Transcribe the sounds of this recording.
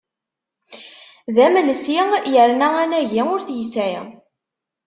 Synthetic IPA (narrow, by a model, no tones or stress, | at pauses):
ðæməlsiʁjəɾnæænæʝiʊɾθjəsæ